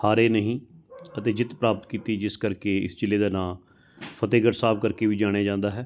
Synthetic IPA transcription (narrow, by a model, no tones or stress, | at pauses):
haːɾeːnəɦĩːət̪eːd͡ʒɪt̪pɾaːpət̪kiːt̪iːd͡ʒɪskəɾkeːɪ̰st͡ʃɪlːeːd̪aːnãː | pʰət̪eːɡəʈsaːb̚kəɾkeːʋiːd͡ʒaːɽ̃eaːd͡ʒãːnd̪aːɦɛː